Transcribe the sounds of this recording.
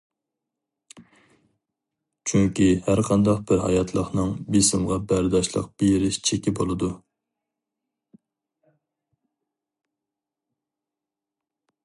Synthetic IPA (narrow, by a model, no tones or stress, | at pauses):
t͡ʃʰyŋkʲihæɾqʰɑnd̪ɑqbɪɾɦɑ̰jɑt̪ʰlˠəχnɨŋbisɪmʁɑbæɾd̪ɑʃlˠə̰q̚b̥ejɪɾɪʃt͡ʃʰekʲibolˠɨd̪u